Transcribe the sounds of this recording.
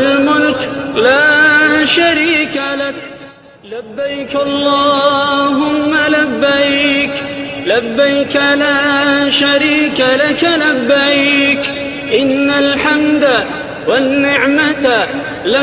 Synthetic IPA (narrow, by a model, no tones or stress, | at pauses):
lmʊlklaːʃaɾiːkalak | labːajkʔɑlˤːɑːɦʊmːalabːajklabːajkalaːʃaɾiːkalakalabːajk | ʔɪnːalħamd̪a | wanːɪʕmat̪ | la